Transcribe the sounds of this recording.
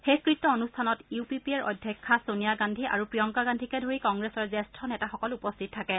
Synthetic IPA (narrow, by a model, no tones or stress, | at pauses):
xekɹitːɔonustʰanɔtiupipiɛɹʔɔ̰dʱjɛkʰːasonijaɡandʱiʔa̰ɹupɹijɔŋkaɡandʱikɛdʱoɹikɔŋɡɹesɔɹzɛstʰɔnɛtaxɔkɔlupɔstʰittʰːakɛ